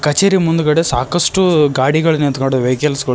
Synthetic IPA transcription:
kɐt͡ʃeːɾimund̪ukɐɽesaːkɐʂʈuɡaːɽiɡɐɭɐnint̪kɐɳɖuʋeːkɐlsɡɐɭ

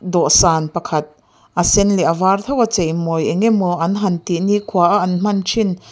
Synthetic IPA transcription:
d̪ɔʔsaːnpɐkʰɐt̪̚ | ʔɐsɛnlɛʔavaːrt̪ʰɔwat͡semɔjeŋɛmɔʔɐnɦɐnt̪iʔniʔkʰuaʔaʔɐnm̥ɐnt͡ʃʰin

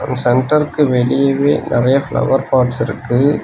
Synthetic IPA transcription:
nsɛɳʈɐɾkːɯʋɛɭɪjɐʋḛːnʔɪɾɐjɐfɭɐ̰ʋɐɾpaːʈsɪɾɯkːɯ

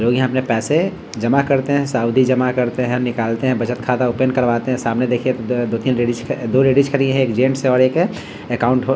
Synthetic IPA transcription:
loːɡjɦãɐpnepɛːse | d͡ʒəmakəɾt̪eɦɛ̃saːʊd̪ʱid͡ʒəmakəɾt̪eɦɛ̃nɪkaːlt̪eɦɛ̃bət͡ʃət̪kʰaːt̪aopenkəɾʋaːt̪eɦɛ̃saːmned̪eːkʰiẽt̪od̪oːt̪iːnɾeɖit͡ʃʰd̪oːɾeɖid͡ʒkʰəɾiẽɦɛ̃eːkd͡ʒẽːɳʈseɔːɾeːk | ekaːʊ̃ɳʈɦo

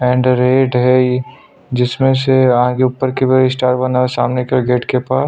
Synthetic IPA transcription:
ɛ̃ːɳɖɾeːɖɦɛ | d͡ʒɪsmẽseɐɦãkeʊpːəɾkebeɾɪsʈaːɾbɐnaesaːmnekeɡeːʈkepaːs

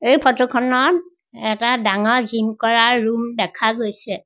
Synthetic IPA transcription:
ejpʰɔtokʰɔnɔt | ɛtadaŋɔɹzimkɔɹaɹːumdɛkʰaɡojsɛ

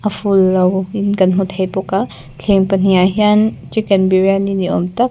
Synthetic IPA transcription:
ɐfulːɐwinkɐnɦut̪ʰɐjpoka | ɬʰeŋpɐn̥ijaɦiant͡ʃikɛnbiɾaniniomt̪ɐk̚

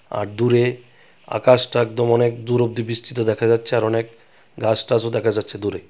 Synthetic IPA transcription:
a̰ɾd̪uɾe | a̰kaʃʈaɛk̚d̪omɔnekd̪uɾob̚d̪ibist̪ʰit̪od̪ɛkʰad͡ʑatːɕʰeaɾɔnek | ɡasʈasod̪ɛkʰad͡ʑatːɕʰed̪uɾe

